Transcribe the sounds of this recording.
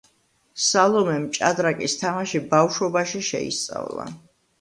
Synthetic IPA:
salˠɔmɛmt͡ʃʼad̪ɾakʼist̪ʰamaʃibafʃɔbaʃiʃɛ̰ḭst̪sʼa̰vlˠa̰

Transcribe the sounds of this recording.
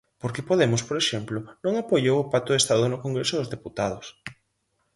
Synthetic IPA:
poɾkɪpoðemʊspoɾeʃemplʊnõŋapojowʊpat̪ʊðest̪aðʊnʊkoŋɡɾesʊðʊzðeput̪að̞ʊs

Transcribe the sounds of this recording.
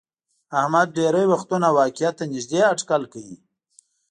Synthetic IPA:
ahmad̪̚ɖeɾəjwaxt̪unawɑkɪjat̪ːanɪʒd̪eaʈkalkawi

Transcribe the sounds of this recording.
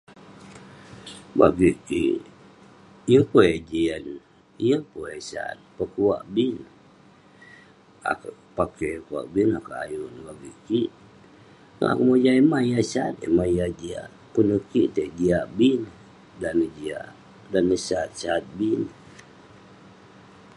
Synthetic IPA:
ba̰ɡikḭ | ijəŋpoed͡ʒian | ijəŋpoesa̰t̪̚pəkua̰ʔbin | a̰k | pakekua̰ʔbinakaa̰junbaɡikiʔ | ŋa̰kəmod͡ʒaimajasat̪ḛmaijad͡ʒia̰ | punəkit̪ed͡ʒiaʔbin | danəd͡ʒia̰ʔ | danːəsat̪̚sat̪̚bin

